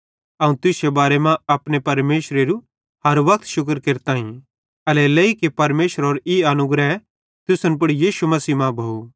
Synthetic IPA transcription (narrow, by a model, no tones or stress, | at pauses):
ɐũt̪ʊsebaːɾemãɐpñepɐɾmeːʃɾeɾu | ɦɐɾʋɐk̚t̪ʃʊk̬əɾkeɾt̪ãːĩ | ɐlɛleikepɐɾmeːʃəɾoːɾiɐnʊɡɾɛ | t̪ʊsʊnp̬ʊɽijiːʃumɐsiːmãbʱou